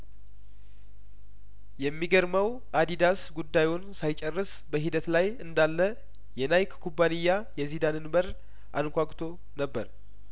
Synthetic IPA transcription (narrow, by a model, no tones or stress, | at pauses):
jɛmːiɡəɾməw | ʔad̪id̪asɡud̪ːajonsajt͡ʃʼɛrːɨs | bəɦid̪ət̪lajɨnd̪alːə | jɛnajkkʰːubːanijːajɛzid̪anɨnbəɾ | ʔa̰nkʷakʼt̪ʰo̞ | nəbːəɾ